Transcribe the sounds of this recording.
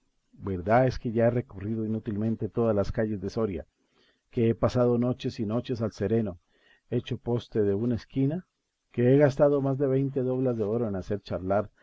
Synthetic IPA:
be̞ɾðae̞ske̞ʝaere̞koriðo̞inut̪ilmẽ̞nt̪e̞t̪o̞ðazlaskaʝe̞zd̪e̞so̞ɾja̰ | ke̞epasaðo̞no̞t͡ʃe̞sino̞t͡ʃe̞salse̞ɾe̞no̞ | e̞t͡ʃo̞po̞st̪e̞ðe̞unaeskina | keeɣast̪aðo̞mazd̪e̞βejnt̪̬e̞ðo̞βlazðe̞o̞ɾoenase̞ɾt͡ʃaɾlaɾ

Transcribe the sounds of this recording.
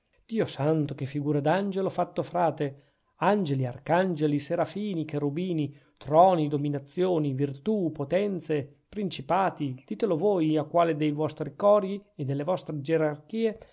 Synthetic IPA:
d̪̥iːosant̪okefːiɡuːɾad̪and͡ʒelofat̪ːofɾaːt̪e | and͡ʒelia̰rkand͡ʒeliseɾafiːnikeɾubiːni | t̪ɾɔːnid̪ominat̪sːjoːnivirt̪upot̪ɛnt̪se | pɾint͡ʃipaːt̪id̪̥iːt̪elovoːjakːwaːled̪ejvɔst̪ɾikɔɾjied̪elːevɔst̪ɾed͡ʒeɾarkiːe

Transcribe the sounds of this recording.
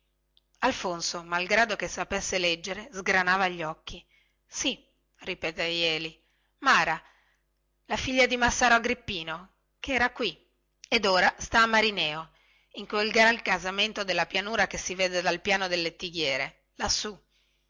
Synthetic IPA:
alfonsomalɡɾaːd̪okesapesːelɛd͡ʒːeɾezɡɾanaːvaʎːɔkːi | si | ripeːt̪ejɛːli | maːɾa | lafiʎːad̪imasːaːɾoaɡɾipːiːno | keɛːɾakwi | ed̪oːɾast̪aːmːaɾinɛːo | iŋkwelɡɾalkazament̪od̪elːapjanuːɾakesːiveːd̪ed̪alpjaːnod̪elːet̪ːiɡjɛːɾe | lasːu

